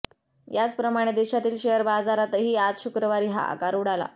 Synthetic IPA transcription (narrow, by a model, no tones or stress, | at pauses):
jat͡spɾəmaɽ̃ed̪eɕat̪iːlɕeəɾbad͡zaɾat̪əɦiːad͡zɕukɾəʋaɾiːɦa̰a̰kaɾuɽala̰